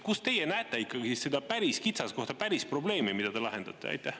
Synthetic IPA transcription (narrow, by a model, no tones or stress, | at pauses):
kust̪e̞jenæːt̪ːˑeikːˑɑɡise̞d̪̥ɑpæɾiskit̪sɑsko̞ht̪ɑpæɾispro̞ble̞ːmimid̪̥ɑd̪elɑɦe̞nd̪ɑt̪ːˑeɑ̰jt̪ːˑæh